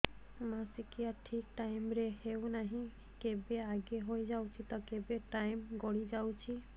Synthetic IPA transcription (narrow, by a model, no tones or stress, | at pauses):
masikijaʈʰik̚ʈajmɾeɦewnaɦĩ | kebeaɡeɦojd͡ʒawt͡ʃʰit̪ɔkebeʈajmɡɔɽid͡ʒawt͡ʃʰi